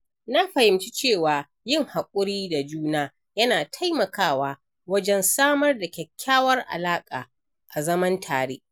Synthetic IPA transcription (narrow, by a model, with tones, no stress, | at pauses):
na˦ɸɐ˨hɪ˨mt͡ʃi˦t͡ʃeː˦˨waː˨ | jɪ˦˨ŋha˨kʷʼʊ˦ɽiː˦da˨d͡ʒuː˦naː˦ | jɐ˦naː˨tʰa˦jmɐ˨kaː˦waː˦ | wɐ˦d͡ʒɛ˦nsaː˦mɐ˦rda˨kʲɛ˨kʲʰːaː˦wɐ˦rʔa̰˨laː˦kʼaː˨ | ʔa˨zɐ˦mɐ˦ntʰaː˨ɽeː˦ʔ